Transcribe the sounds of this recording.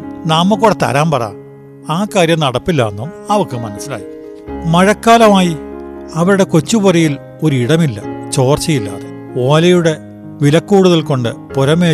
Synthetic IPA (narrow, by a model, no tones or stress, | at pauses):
nɐːmːɐkːoːɽet̪ɐ̰ɾaːmpɐra̰ːm | aːkaːɾjɐmnɐɽɐpːilːa̰ːnːumɐʋɐkːɨmɐnɐsːila̰ːji | mɐɻɐkːaːlɐmaːjiɐʋɐɾuɽe̞ko̞t͡ɕːupurɐjil | o̞ɾuiɽɐmilːɐ̰t͡ɕo̞ːrt͡ɕɐjilːa̰ːðe | o̞ːlɐjuɽe̞ | ʋilɐkːuːɽuðɐlko̞ɳɖɨpoɾɐmeː